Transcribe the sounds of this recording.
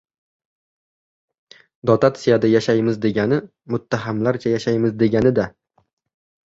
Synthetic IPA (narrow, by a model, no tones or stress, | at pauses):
d̪ɒt̪ʰat̪sijad̪ajaʃajmɪzd̪e̞ɡʲanɪ | mʊt̪ʰːaɦamlaɾt͡ʃʰajaʃajmɪzd̪e̞ɡʲanɪd̪a